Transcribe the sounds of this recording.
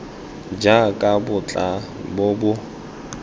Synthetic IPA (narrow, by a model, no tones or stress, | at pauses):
d͡ʒakʼabʊt͡ɬʼabʊbʊ